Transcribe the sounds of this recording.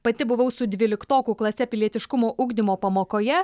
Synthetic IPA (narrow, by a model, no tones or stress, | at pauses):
pɐt̪ʲɪbʊʋɐʊsʊd̪ʲʋʲiːlʲɪkt̪oːkuːklˠɐsʲɛpʲɪlʲiɛt̪ʲɪʃkʊmoːʔʊɡd̪ʲɪmoːpɐmoːkoːjɛ